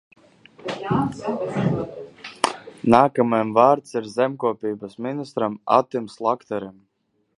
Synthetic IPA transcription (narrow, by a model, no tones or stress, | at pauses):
naːkamajmvaːɾt̪siɾzɛmʲkuɔpʲiːbasminist̪ɾama̰t̪imslˠakt̪ɛɾim